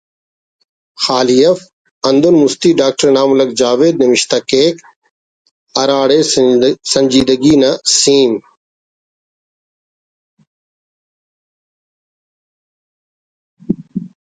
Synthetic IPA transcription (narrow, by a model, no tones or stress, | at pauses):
xaːlijɐf | ɐ̃nd̪ʊnmʊst̪iːɖaːk̚ʈɐɾnaːmʊlɐk̚d͡ʒaːʋeːd̪nɐmɪʃt̪akeːk | ɐɾaːɽeːsɐ̃ɲd͡ʒiːd̪əɡiːnɐsĩːn